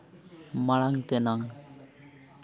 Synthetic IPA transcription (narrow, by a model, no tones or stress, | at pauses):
maɭaŋt̪ɛnaŋ